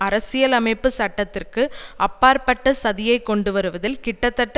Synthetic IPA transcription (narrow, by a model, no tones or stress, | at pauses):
ɐɾɐsɪjɐlɐmɐɪpːɯsɐʈːɐt̪ːɪrkɯʔɐpːaːɾpɐʈːɐsɐðɪjɐɪkːɔɳɖɯʋɐɾɯʋɐðɪlkɪʈːɐt̪ːɐʈːɐ